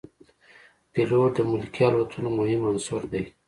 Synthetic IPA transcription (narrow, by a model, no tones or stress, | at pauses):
pilod̪əmʊlkiɑlwat̪ʰunomʊhɪmansuɾd̪aj